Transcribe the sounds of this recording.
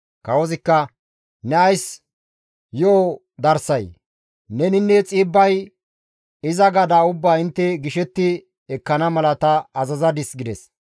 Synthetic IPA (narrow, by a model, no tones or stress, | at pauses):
kɐwɔzɪkːɐ | nɛɐjs | joː | d̪ɐɾsɐj | nɛnɪnːɛt͡sʼiːbːɐj | ɪzɐɡɐd̪aːʊbːaːɪnt̪ːɛɡɪʃɛt̪ːɪ | ɛkːɐnɐmɐlɐt̪ɐːzɐzɐd̪ɪsɡɪd̪ɛs